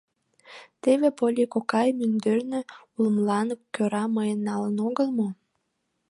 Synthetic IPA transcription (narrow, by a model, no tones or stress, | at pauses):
t̪eβepolʲikokɑjmynd̪ørnø | uləmlɑnkøɾɑməjənːɑlənoɣəlmo